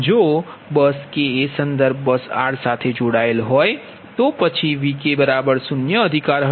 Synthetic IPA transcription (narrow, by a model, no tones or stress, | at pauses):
d͡ʒoːbəskeesə̃nd̪əɾb̚ʱbəsa̰ːɽsaːt̪ʰed͡ʒoːɽaːelɦoːe | t̪opɐt͡ʃʰiʋikebɐɾaːbəɾsʊnjəəd̪ʱɪkaːɾɦ